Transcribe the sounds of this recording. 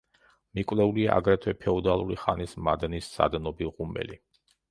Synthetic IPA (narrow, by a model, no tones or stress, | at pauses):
mikʼwvlɛuliaʔaɡɾɛt̪ʰwɛpʰɛɔd̪alˠuɾiχanismad̪nisːa̰d̪nɔbiʁumbɛ̰li